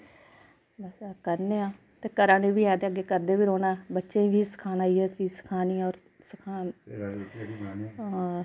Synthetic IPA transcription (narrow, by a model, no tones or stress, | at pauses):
bəsːkəɾneːãː | t̪eːkəɾãːnẽːbiːɛ̃ːd̪eːəɡeːkəɾd̪eːʋiːɾoːnaːbətːʃẽːʋʱiːsə̥kʰaːnaːiːɛːsiːsə̥kʰaːniːɔːɾ | səkʰaː | ãː